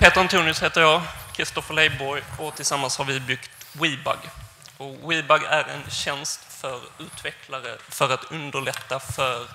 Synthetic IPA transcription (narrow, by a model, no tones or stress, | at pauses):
pʰeːt̪əɾant̪ʰʉːnɵsheːt̪əɾjɑːkʰɾɪst̪ɔfəɾɭlɛjbɔɾɔt̪ʰɪlsamːanshaɾvɪbʏɡt̪wiːba̰ɡ | ɔwiːbaɡæɾɛ̰nɕɛnst̪fœɾʉ̟ːt̪vɛkʰlaɾə̰fœɾat̪ɵnd̪əɭɛt̪ːafœɾ